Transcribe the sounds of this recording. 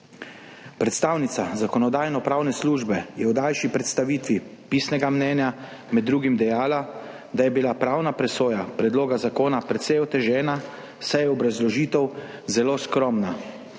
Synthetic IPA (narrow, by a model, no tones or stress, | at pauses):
pɾɛt̪st̪awnit̪sazakɔnɔd̪aːjnɔpɾaːwnɛsluːʒbɛjɛwd̪ajʃipɾɛt̪st̪aʋiːt̪ʋi | piːsnɛɡamnɛːnja | mɛd̪ːɾuːɡimd̪ɛjaːla | d̪ajɛbilapɾaːwnapɾɛsoːjapɾɛd̪loːɡazakoːnapɾɛt̪sɛjɔt̪ɛʒɛːna | sajɛɔbɾazlɔʒiːt̪ɛwzɛloːskɾɔmna